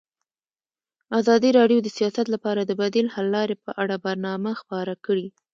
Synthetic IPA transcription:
azɑd̪iɾɑɖjod̪əsijɑsat̪lapɑɾad̪əbad̪ilhalːɑɾepəʔaɽabaɾnɑmaxpɑɾakəɽi

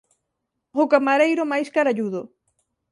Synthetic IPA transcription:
okamaɾejɾʊmajskaɾaʎuðo

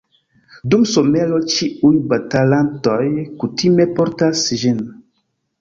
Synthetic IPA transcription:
dumso̞me̞lo̞t͡ʃiujbatalanto̞jkutime̞poɾtasʒin

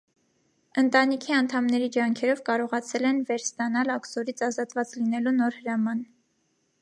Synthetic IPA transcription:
ənt̪ɑnikʰiɑnt̪ʰɑmnɛɾid͡ʒɑŋkʰɛɾɔvkɑɾɔʁɑt͡sʰɛlɛnvɛɾst̪ɑn̪ɑlɑksɔɾit͡sʰɑzɑt̪vɑt͡slinɛlunɔɾhəɾɑmɑn

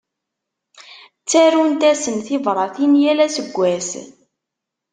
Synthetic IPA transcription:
t͡sːæɾunt̪æsənθivɾˤɑθinjælæsəɡʷːæs

